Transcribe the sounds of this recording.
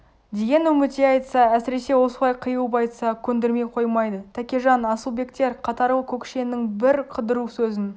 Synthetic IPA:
d̪e̞ɡʲe̞nɵmɪt̪eɑjt̪əsɑæsɪɾe̞se̞wo̞səlˠɑjqʰəjubɑjt̪ə̥sɑkʲʰɵnd̪eɾme̞jqʰo̞jmɑjd̪ət̪ʰækʲeʒɑnɑsəlˠbe̞kt̪e̞ɾqʰɑt̪ɑɾəkʲʰɵkʲʃe̞nːɪŋbɪɾqʰəd̪əɾusɵzɪn

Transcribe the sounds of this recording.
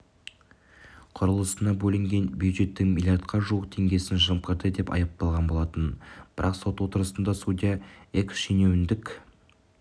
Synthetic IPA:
qʰʊɾəlˠəsənɑbɵlɪŋɡʲe̞nbjuwd̪ʒe̞t̪ːɪŋmʲilʲjart̪̚qʰɑʒuwəq̚t̪ʰe̞ŋɡʲe̞sɪnʒəmqʰəɾd̪əd̪e̞pɑ̰jɑp̚t̪ɑlˠʁɑnbo̞lˠɑt̪ənb̥ɪɾʔɑqso̞t̪wo̞t̪əɾəsənd̪ɑsud̪ʲijaeksʃene̞wɪnd̪ɪkʲ

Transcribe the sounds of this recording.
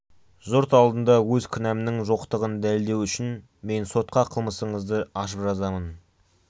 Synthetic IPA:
zoɾt̪ɑlˠd̪ənd̪ɑwɵzkʲʰʏnæmnɪŋʒo̞qt̪əʁənd̪ælɪld̪e̞wʏʃɪn | me̞nso̞t̪̚qɑqʰəlˠməsəɴəzd̪əɑʃ̬əpʒɑzɑmən

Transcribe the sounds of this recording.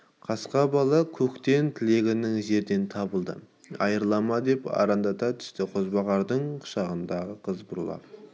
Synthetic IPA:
qʰɑsqɑbɑlˠɑkʲʰɵkt̪e̞nt̪ʰɪle̞ɡʲɪnɪŋʒe̞ɾd̪e̞nt̪ʰɑbəlˠd̪ə̰ | ɑjəɾlˠɑmɑd̪e̞pɑ̰ɾɑnd̪ɑt̪ɑt̪ʰʏ̥st̪ɪqʰozbɑʁɑɾd̪əɴqʰʊ̥ʃɑʁənd̪ɑʁəqʰəzbʊɾlˠɑ̰p

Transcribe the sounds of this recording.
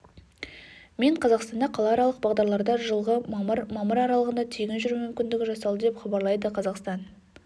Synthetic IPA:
me̞ɴqʰɑzɑqst̪ɑnd̪ɑqʰɑlˠɑːɾɑlˠəq̚bɑʁd̪ɑɾlˠɑɾd̪ɑʒəlˠʁəmɑməɾmɑməɾɑɾɑlˠəʁənd̪ɑt̪ʰeɡʲɪnʒʏɾumʏmkʲɪnd̪ɪɡʲɪʒɑsɑlˠd̪əd̪epχɑbɑɾlˠɑjd̪əqʰɑzɑqst̪ɑn

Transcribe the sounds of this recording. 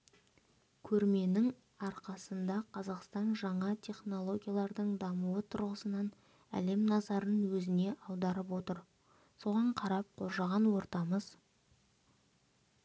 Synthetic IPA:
kʲʰɵɾme̞nɪŋ | ɑɾqɑsənd̪ɑqʰɑzɑqst̪ɑnʒɑɴɑt̪ʲʰe̞χno̞lˠo̞ɡʲijalˠɑɾd̪əɴd̪ɑmuwət̪ʰʊɾʁəsənɑn | æ̰le̞mnɑzɑɾənwɵzɪne̞ʔɑwd̪ɑɾəp̬wo̞t̪əɾ | so̞ʁɑɴqʰɑɾɑp̚qʰo̞ɾʒɑʁɑnwo̞ɾt̪ɑməz

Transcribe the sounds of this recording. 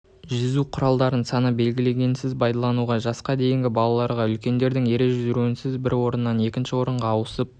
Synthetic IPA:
ʒʏzuqʰʊɾɑlˠd̪ɑɾənsɑnəbe̞lɡʲɪle̞ɡʲe̞nsɪzbɑjd̪ɑlˠɑnuʁɑʒɑsqɑd̪e̞jɪŋɡʲɪbɑlˠɑlˠɑɾʁɑʏlkʲe̞nd̪e̞ɾd̪ɪŋe̞ɾeʒʏzɪɾuɪnsɪzbɪɾwo̞ɾənːɑne̞kʲɪnʃɪwo̞ɾəɴʁɑːwəsəp̚

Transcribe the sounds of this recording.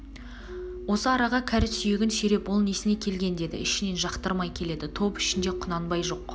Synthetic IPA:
wo̞səɑɾɑʁɑkʲʰæɾɪsʏjeɡʲɪnsʏɾe̞pwolˠnesɪne̞kʲʰe̞lɡʲe̞nd̪e̞d̪ɪ̰ɪʃɪne̞nʒɑqt̪əɾmɑjkʲʰe̞le̞d̪ɪt̪ʰo̞pɪʃɪnd̪e̞qʰʊnɑnbɑjʒo̞q

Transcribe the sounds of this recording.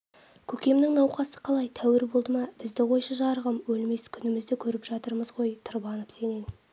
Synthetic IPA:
kʲʰɵkʲe̞mnɪŋnɑwqɑsə̥qʰɑlˠɑjt̪ʰæwɪɾbo̞lˠd̪əmɑb̥ɪzd̪ɪʁo̞jʃəʒɑɾʁəmwɵlme̞skʲʰʏnɪmɪzd̪ɪkʲʰɵɾɪpʒ̥ɑt̪əɾməzʁo̞jt̪ʰəɾbɑnəpse̞ne̞n

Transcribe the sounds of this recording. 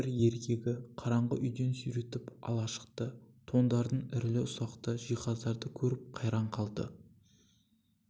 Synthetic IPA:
ɪɾje̞ɾkʲʰe̞ɡʲɪqʰɑɾɑɴʁəʔʏjd̪e̞nsyjɾe̞t̪ɪpɑ̰lˠɑʃə̥qt̪ət̪ʰo̞nd̪ɑɾd̪ənɪɾlɪʊsɑqt̪əʒijqɑzd̪ɑɾd̪əkʲʰɵɾɪp̚qʰɑjɾɑɴqʰɑlˠd̪ə̰

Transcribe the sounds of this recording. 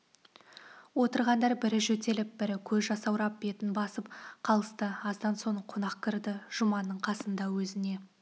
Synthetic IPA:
wo̞t̪əɾʁɑnd̪ɑɾbɪɾɪʒɵt̪e̞lɪp̚b̥ɪɾɪkʲʰɵzʒɑsɑwɾɑp̚be̞t̪ɪnbɑsəpqʰɑlˠəst̪əɑzd̪ɑnso̞ɴqʰonɑqkʲʰɪɾd̪ɪʒ̥ʊmɑnːəɴqʰɑsənd̪ɑwɵzɪne̞

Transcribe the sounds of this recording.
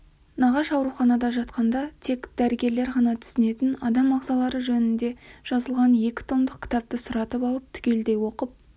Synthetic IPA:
nɑʁɑʃɑwɾuχɑnɑd̪ɑʒɑt̪qɑnd̪ɑt̪ʰe̞kd̪̥æɾɪɡʲe̞ɾle̞ɾʁɑnɑt̪ʰʏ̥sɪne̞t̪ɪnɑd̪ɑmːɑʁzɑlˠɑɾəʒɵnɪnd̪e̞ʒ̥ɑzəlˠʁɑnje̞kʲɪ̥t̪ʰo̞md̪əqkʲɪ̥t̪ɑp̚t̪əsʊɾɑt̪əpɑlˠəp̚t̪ʰʏ̥kʲe̞ld̪e̞jwo̞qəp̚

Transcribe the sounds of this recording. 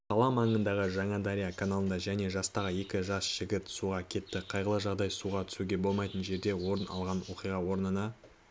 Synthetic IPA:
t̪ʰɑlˠɑmɑɴənd̪ɑʁəʒɑɴɑd̪aɾʲijakʰanalˠənd̪ɑʒæne̞ʒɑst̪ɑʁəje̞kʲɪʒɑsʒ̥ɪɡʲɪt̪suʁɑkʲʰe̞t̪ːɪqʰɑjʁəlˠəʒɑʁd̪ɑjsuʁɑt̪ʰʏ̥suɡʲe̞bo̞lˠmɑjt̪ənʒe̞ɾd̪e̞wo̞ɾənɑ̰lˠʁɑnwo̞qijʁɑwo̞ɾnənɑ

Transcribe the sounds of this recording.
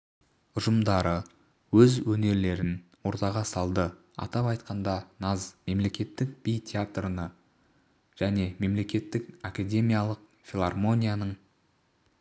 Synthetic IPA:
ʊʒəmd̪ɑɾə | wɵzwɵne̞ɾle̞ɾɪnwo̞ɾt̪ɑʁɑsɑlˠd̪ə | ɑ̰t̪ɑpɑjt̪̚qɑnd̪ɑnɑzme̞mle̞kʲe̞t̪ːɪk̚bijt̪ʲʰeat̪rənə | ʒ̥æne̞me̞mle̞kʲe̞t̪ːɪkakad̪ʲe̞mʲijalˠəq̚ | fʲilˠarmo̞nʲijanəɴ

